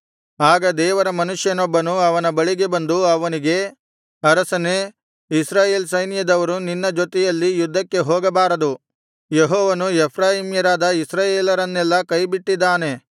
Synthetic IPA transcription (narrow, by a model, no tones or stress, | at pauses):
aːɡɐd̪ɛːʋɐɾɐmɐnuʂjɐnɔbːɐnuɐʋɐnɐbɐɭiɡe̞bɐnd̪uɐʋɐniɡe̞ | ɐɾɐsɐne | isɾaːje̞ːlsɐjnjɐd̪ɐʋɐɾuninːɐd͡ʒot̪ɛjɐlːijud̪ʱːɐkːe̞ɦoːɡɐbaːɾɐd̪u | jeɦɔːʋɐnuepʰɾaːjimjɐɾaːd̪ɐisɾaːjeːlɐɾɐnːɛlːɐkɐjbiʈːid̪ːaːne̞